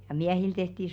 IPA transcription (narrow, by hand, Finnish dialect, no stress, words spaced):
jɑ miæhil tehti